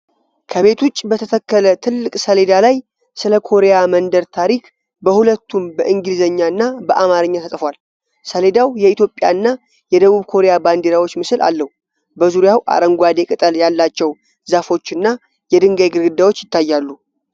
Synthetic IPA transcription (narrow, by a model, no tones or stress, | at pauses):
kʰəβe̞t̪ʰut͡ʃʼbət̪ʰət̪ʰəkːələt̪ʰɨlːɨkʼsəle̞d̪alaj | sɨləkʰo̞ɾejamənd̪əɾt̪ʰaɾik | bəhulət̪ːumbəʔɨŋɡɨlizəɲːaɨnːabəʔamaɾɨɲːat̪ʰət̪ʼfwal | səle̞d̪awjɛit̪jo̞pʼːja̰ɨnːa | jɛd̪əβuβkʰo̞ɾe̞jaband̪eɾawot͡ʃːmɨsɨlʔa̰lːəhu | bəzuɾjawʔa̰ɾəŋɡʷad̪e̞kʼɨt̪ʼəljalːat͡ʃːɛw | zafo̞t͡ʃːɨnːa | jɛd̪ɨŋɡajɡɨɾɡɨd̪ːawo̞t͡ʃːjɪt̪ːajːalːu